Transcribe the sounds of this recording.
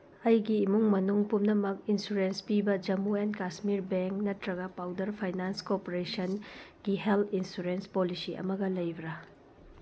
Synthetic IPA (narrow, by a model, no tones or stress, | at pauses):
ɐjɡiːmuŋmɐnuŋpumnɐmɐk̚insuɾenspibɐd͡ʒɐmuenkasmiɾbeŋk̚nɐtɾɐɡɐpawdɐɾpʰajnanskopoɾesɐnɡ̥ihelt̪ʰinsuɾenspolisiʔɐ̰mɐɡɐlɐjbɾɐ